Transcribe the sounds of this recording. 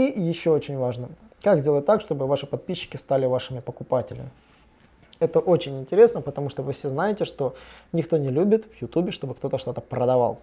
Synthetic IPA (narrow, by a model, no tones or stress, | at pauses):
ijɪɕːo̞ot͡ɕɪnʲvaʐnə | kaɡzʲdʲelˠət̚ʲt̪ːakʂt̪o̞bɨvaʂɨpɐt̪̚pʲiɕːɪ̥kʲɪst̪alʲɪvaʂɨmʲɪpəkʊpatʲɪ̰lʲɪ̰mʲɪ | ɛt̪əʔot͡ɕɪnʲɪnʲtʲɪɾʲe̞snəpət̪ɐmuʂt̪ovɨfsʲeznajɪtʲɪʂt̪o̞nʲɪkt̪o̞nʲɪlʲubʲɪt̪vjʊt̪ubʲɪʂt̪o̞bɨkt̪o̞t̪əʂt̪o̞t̪əpɾəd̪ɐva̰lˠ